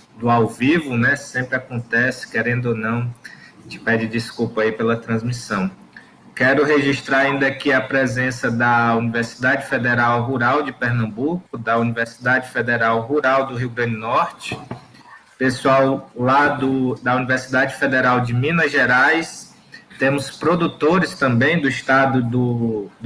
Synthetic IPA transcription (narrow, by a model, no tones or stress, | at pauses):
d̪ʊawvivʊnɛsẽpɾɪakõt̪ɛsɪ̥kɛɾẽnd̪ʊonɐ̃w̃ | t͡ʃɪ̥pɛd͡ʒɪd͡ʒiskupɐaipelɐt̪ɾɐ̃zmisɐ̃w̃ | kɛɾʊɦeʒiʃt̪ɾaɾaĩnd̪akiɐpɾezẽsɐd̪ɐuniveɾsi̥d̪ad͡ʒɪfed̪eɾawɦuɾawd͡ʒɪpeɾnɐ̃mbukʊd̪ɐuniveɾsi̥d̪ad͡ʒɪfed̪eɾawɦuɾawd̪ʊɦiwɡɾɐ̃nd͡ʒɪnɔɾt͡ʃɪ̥ | pesuawlad̪ʊd̪ɐuniveɾsid̪ad͡ʒɪfed̪eɾawd͡ʒɪmĩnɐʒeɾajs | t̪ẽmʊspɾod̪ut̪oɾɪst̪ɐ̃mbẽj̃d̪ʊist̪ad̪ʊd̪ʊ